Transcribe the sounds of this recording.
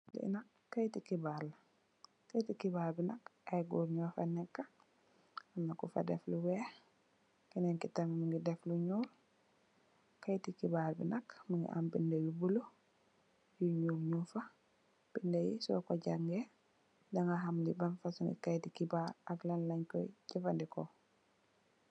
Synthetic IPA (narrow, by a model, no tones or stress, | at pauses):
lḭna | kajtikibaɾlɐ | kajtikibaɾbinɐkɐjɡuɾɲɔfa̰nɛkːɐ | amnakufɐ̰dɛ̰fluwɛ | kinɛŋkitɐmimiŋɡidɛfluɲuːl | kajtikibaɾbḭnɐkmiŋɡḭʔa̰mbindɐjubulu | juɲuːɾɲufɐ | b̥indejḭsɔ̰ːkɔɟaŋɡe | daŋaɦamlibanfasuŋɡḭkajtikibaɾɐklanlɐɲkɔ̰jɟifandikɔ